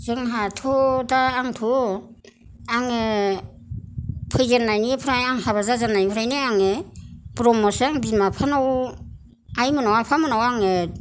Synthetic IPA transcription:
zɯŋɦatʰɔdaːŋtʰɔ | aŋe | pʰɯjzanːajniepʰɯɾajaŋhaβazazanajpʰɯɾajneaŋeb̥ɾɔmɔsaŋbimapʰanaw | ajmɯnawapʰamɯnawaŋe

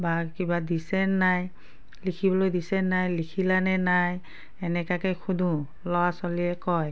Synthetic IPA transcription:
bakibadisɛnːaj | likʰibɔlojdisɛnːajlikʰilanɛnaj | ɛnɛkakɛxʰud̪ʱũ | lɔwasɔliɛkɔj

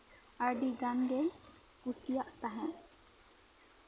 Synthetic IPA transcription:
aɖiɡanɡejkusijaʔt̪aɦɛ̃

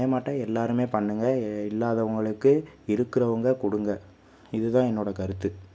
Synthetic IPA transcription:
jɐmaːʈːɐ̃ɛlːaːɾɯmeːpɐɳːɯŋɡɐɪlːaːðɐʋɐŋɡɐɭɯkːɯɪɾɯkːɪɾɐʋɐŋɡɐkʊɽɯŋɡɐ | ɪðɯt̪ãːɛnːoːɽɐkɐɾɯt̪ːɯ

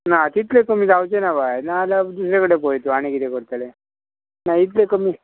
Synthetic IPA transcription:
nat̪it̪lekəmiːd͡zawt͡ɕenabajnaːlad̪usɾekəɽepojt̪oaɽ̃ikit̪ekəɽt̪ale | nait̪̬lekəmi

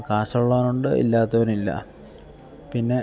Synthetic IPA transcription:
kaːsɐɭːaːnuɳɖɨḭlːaːt̪ːɐʋɐɾumilːɐ̰ | pinːe̞

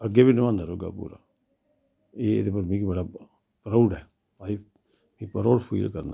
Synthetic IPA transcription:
əɡeːbiːnəʋãːnd̪aːɾoːɡa̰ːpṵːɾa̰ː | eːd̪epəɾmĩːkibəɽaː | pɾaʊɖɦɛː | aːi | mĩːpəɾoːɽpʰḭːlkəɾna̰ː

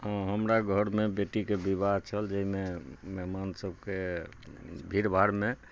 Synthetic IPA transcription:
ɦəmɾaɡʱəɾmebeʈikebibad̪t͡ʃʰəld͡ʒəɦimemɛɦmansəb̚ʱke | bʱiɾbʱaɾme

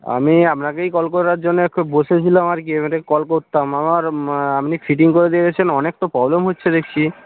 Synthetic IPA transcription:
a̰miapnakejkɔlk̬oɾɾaɾd͡ʑonːekʰːubboʃet͡ɕʰiloamaɾk̬iemeɾekɔlkoɾt̪ːamamaɾamnifʰiʈ̬iŋkoɾed̪ieɡet͡ɕʰenɔnek̚t̪opɾɔblemɦotːɕʰed̪ekʰt͡ɕʰi

